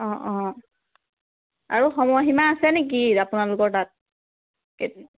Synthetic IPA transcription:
ɔ̃ʔɔ̃ | a̰ɹuxɔmɔɦimaːsɛnek̬iapunalʊkɔɹtat̚ | ke

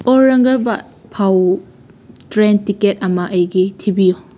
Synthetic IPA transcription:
ɔɾɐŋɡɐba | pʰaw | tɾentiketɐmɐʔəjɡitʰibijo

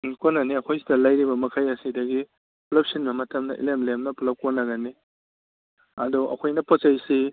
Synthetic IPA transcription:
konːɐniɐkʰojsidɐlɐjɾibɐmɐkʰajɐsidɐɡi | plɐp̚sinbɐmɐtɐmnɐʔḭlemlemnɐplɐp̚konːɐɡɐni | ɐdɔʔɐ̰kʰojnɐpot͡ʃɐjsi

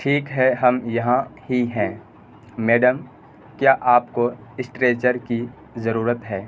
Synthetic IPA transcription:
ʈʰiːkɦɛɦɐmjɐɦãhiɦɛ̃ː | mɛːɖəm | kjaːʔaːpkoɪsʈɾeːt͡ʃəɾki | zɐɾuːɾət̪ɦɛː

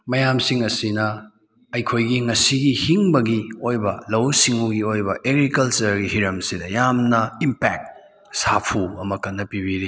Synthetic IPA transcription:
mɐjamsiŋɐsinɐ | ɐjkʰojɡiŋɐsiɡihiŋbɐɡiojbɐlɐwsiŋuɡiojbɐʔeɡɾikɐlt͡ʃɐɾɡihiɾɐmsidɐjamnɐimpɛk̚t̚ | sapʰuɐmɐkɐnːɐpibiɾi

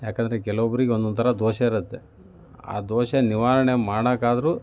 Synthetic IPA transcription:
jaːkɐnd̪ɐɾekɛlɐʋɐbɐɾiɡeond̪unt̪ʰɐɾɐd̪oːʃɐiɾɐt̪ːe̞ | a̰ːd̪oːʃɐniʋaːɾɐɳemaːɽɐkaːd̪ɐɾu

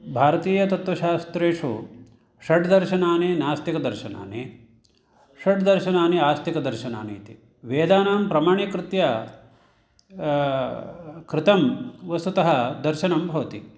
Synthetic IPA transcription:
bʱaːɾɐt̪iːjɐt̪ɐt̪ʋɐʃaːst̪ɾeːʂu | ʃɐɖd̪ɐɾʃɐnaːninaːst̪ikɐd̪ɐɾʃɐna̰ːne | ʂɐɖd̪ɐɾʃɐnaːniaːst̪ikɐd̪ɐɾʃɐna̰ːnḭːt̪i | ʋeːd̪aːnaːmpɾɐmaːɳikɾɪt̪jɐ | kɾɪt̪ɐmʋɐst̪ut̪ɐɦɐd̪ɐɾʃɐnɐmbʱɐʋɐt̪i

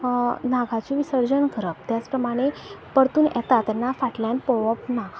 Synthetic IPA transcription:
naɡʱat͡ɕiʋisəɾd͡ʑənɡʱəɾəp̚t̪jat͡spɾəmaɽ̃epəɾt̪uːnʔɛ̰t̪at̪ɛnːafaʈlãnpoʋəp̚na

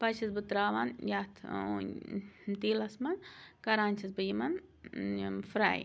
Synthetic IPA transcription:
pɐt͡ʃʰisbɨt̪ɾaːʋanjat̪ʰː | t̪iːlɐsmɐnkɐɾaːnʲt͡ʃʰɐsbɨjimɐn | fɾa̰ːj

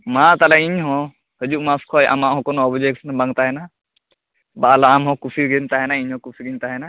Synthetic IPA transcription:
mat̪alɛiɲɦɔ̃ | həd͡ʒuʔmaskʰɔjʔa̰maʔɦɔ̃kɔnɔbd͡ʒeksnabaŋt̪aɦɛna | balaːmɦɔ̃kupʰiɡint̪aɦɛnaiɲɦɔ̃kupʰiɡint̪aɦɛna

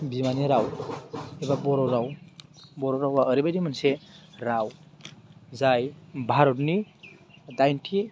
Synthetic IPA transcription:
bimaniɾaw | ebabɔɾɔɾawbɔɾoɾawaːɾibadimanseɾaw | zajbʱaɾɔtni | dajntʰi

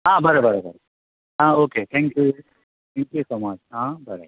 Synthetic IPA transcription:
ɦãːbɐɾobəɾobə̰ɾ | ɦãːoːket̪ʰɛ̃ŋkju | t̪ʰɛ̃ːŋkjusoːmat͡ʃɦãːbɐɾo̰

